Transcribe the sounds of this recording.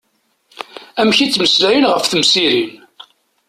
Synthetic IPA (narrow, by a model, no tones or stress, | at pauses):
æmçit͡sːməslæjənʁəfθəmsiɾin